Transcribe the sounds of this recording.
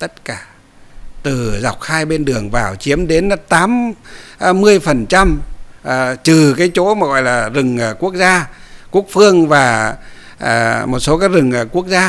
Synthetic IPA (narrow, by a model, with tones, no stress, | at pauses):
t̪ə˦˥t̚kaː˧˩ | t̪ɨ˨˩za˨˩wk͡p̚xaː˧jɓe˧nɗɨ˨˩əŋvaː˨˩wt͡ɕi˨˦əmɗe˨˦nt̪aː˨˦mː˧ | ɨ˧əjfə˨˩nt͡ɕa˧mʔt͡ɕɨ˨˩kaː˨˦jt͡ɕo˨˦maː˨˩ɣɔ̰˧˨jlaː˨˩zɨ˨˩ŋː˨˩ku˦˥ək̚zaː˧ku˦˥ək̚fɨ˧əŋvaː˨˩ | ʔːmo˨˩t̚so˨˦kaː˨˦jzɨ˨˩ŋː˨˩ku˦˥ək̚zaː˧